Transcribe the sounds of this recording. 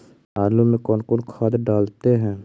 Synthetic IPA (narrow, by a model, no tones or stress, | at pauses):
aːlumẽkɔːnkɔːnkʰaːd̪ɖaːlt̪eɦɛ̃ː